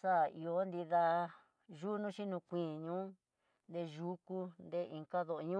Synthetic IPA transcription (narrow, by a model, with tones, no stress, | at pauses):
sa˦˨i˨˧o˧˦nd̪i˧ða˧ | ʒuː˦nũ˦ʃi˦nũ˧kʷĩ˨ɲũ˦ | nd̪e˧ʒu˧ku˧nd̪e˦ʔĩ˧ŋka˦ðo˧ɲũ˦